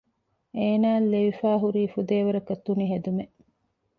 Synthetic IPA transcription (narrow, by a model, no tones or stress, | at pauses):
ʔeːnaːlːeʋifaːɦuɾiːfud̪eːʋɐɾɐkɐt̪ːuniɦed̪ume